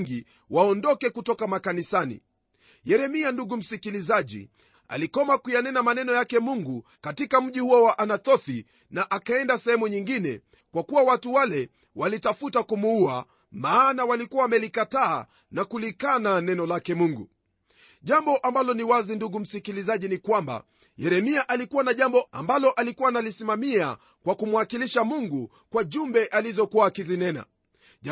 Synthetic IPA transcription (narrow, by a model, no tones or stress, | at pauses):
ŋɡi | wʔaɔndɔkɛkutɔkamakanisanḭ | jɛɾɛmianduɡum̩sikilizaʄḭ | a̰likɔmakujanɛnamanɛnɔjakɛmuŋɡu | katikam̩ʄihuɔwaʔanatɔθi | naʔakaɛndasɛhɛmuɲiŋɡinɛ̰ | kwakuwawatuwalɛ | walitafutakumuua | maːnawalikuwawamɛlikata̰ː | nakulikananɛnɔlakɛmuŋɡṵ | ʄambɔʔambalɔniwazinduɡum̩sikilizaʄinikwamba̰ | jɛɾɛmiaʔalikuwanaʄambɔa̰mbalɔʔalikuwanalisimamia | kwakumwakiliʃamuŋɡu | kwaʄumbɛʔalizɔkuwaːkizinɛna̰